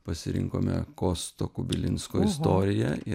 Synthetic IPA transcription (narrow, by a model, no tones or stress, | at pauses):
pɐsʲɪɾʲɪ̰ŋko̰ːmʲɛ̰koːst̪oːkʊbʲɪlʲɪnskoːɪst̪oːɾʲɪjɛɪ